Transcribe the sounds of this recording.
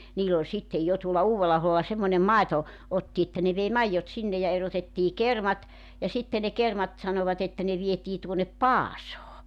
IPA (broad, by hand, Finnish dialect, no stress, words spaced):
niːl olʲ sitːej jo tuolɑ uːwelːɑɑholːɑ semːonʲem mɑeto otːi etːæ ne ʋei mɑijːot sinːe jɑ erotetːiː kermɑt jɑ sitːe ne kermɑt sɑnoʋɑt etːæ ne ʋietiː tuonːep pɑːsoː